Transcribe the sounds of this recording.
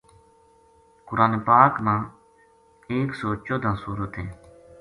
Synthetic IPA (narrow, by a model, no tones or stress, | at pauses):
kʊɾaːneːpaːkmãː | eːksoːt͡ʃoːd̪ʱãːsuːɾət̪ɦẽː